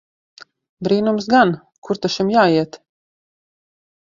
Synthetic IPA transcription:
bɾiːnums̬ɡan | kuɾt̪aʃimjaːiɛt̪

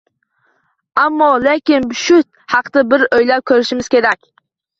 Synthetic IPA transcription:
amːɒlekʲɪnbʃʊt̪̚ | hɑqt̪abɪɾojlap̚kʲʰɵɾɪʃɪmɪz̥kʲe̞ɾakʲ

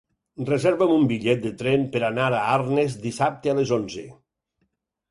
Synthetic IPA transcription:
rəzɛɾβəmumbiʎɛt̪̚d̪ət̪ɾɛmpəɾanaɾaaɾnezd̪isap̚t̪ealezonzə

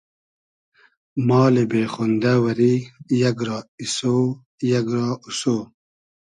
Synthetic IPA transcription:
mɑːlebeːχond̪awɐɾijɐɡɾɑːisoː | jɐɡɾɑːusoː

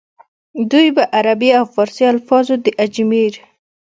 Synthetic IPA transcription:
d̪ujbaʔaɾabiawfɑɾsialfɑzod̪əʔad͡ʒmiɾ

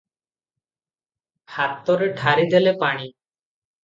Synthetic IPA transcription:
hat̪ɔɾeʈʰaɾid̪elepaɽ̃i

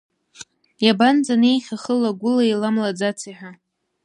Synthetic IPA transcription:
jaband͡zanejχʲaχəlaɡʷʊlailamlad͡zat͡sʰiħʷᶣa

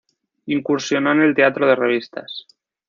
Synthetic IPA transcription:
iŋkuɾsjonoene̞lt̪e̞at̪ɾoð̞e̞reβ̞ist̪a̰s

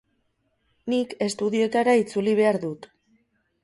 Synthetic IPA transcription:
nike̞st̪uðio̞et̪aɾait͡suliβ̞e̞aɾðut̪

